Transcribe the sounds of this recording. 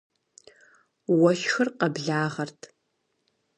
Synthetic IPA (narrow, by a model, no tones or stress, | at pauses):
wɐʃxɨrqɐbɮaːʁɐrtʰ